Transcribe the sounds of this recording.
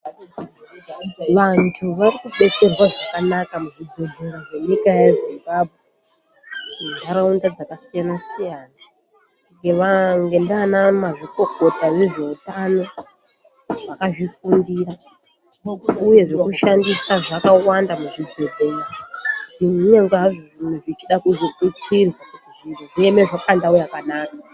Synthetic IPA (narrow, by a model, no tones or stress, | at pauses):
ʋantʰuʋarikuɓe̞t͡se̞rwaʐakanakamuʐiɡʱo̞dʱe̞ɾoʐe̞ɲikajazimbabʱɣe | nenaɾaundad͡zakasijanasijaːna | ŋɡe̞ʋaŋɡe̞ndanamaʐiko̞ko̞taneʐe̞utano̞ | ʐakaʐifundira | utuje̞ʐekuʃandisaʐakawandamuʐiɡʱe̞dʱenʐinɲeŋɡeɦaʐoʐinuʐit͡ʃiɗakuʐikutʰirwakutiʐinuʐieme̞ʐakandaujakanaːka